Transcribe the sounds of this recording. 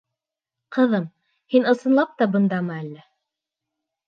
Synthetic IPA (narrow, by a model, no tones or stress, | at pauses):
qɤ̆ðɤm | hinɤ̆sɤ̆nlˠɑp̚t̪ɑbɤ̆nd̪ɑmɤælːæ